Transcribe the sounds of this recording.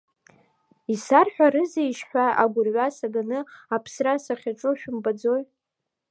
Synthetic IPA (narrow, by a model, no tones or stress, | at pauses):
isarħʷᶣaɾɨzejʃħᶣʷaaɡʷʊrʕʷasaɡanɨapʰsrasaχʲaʈ͡ʂʷʼʊʃᶣʊmbad͡zoj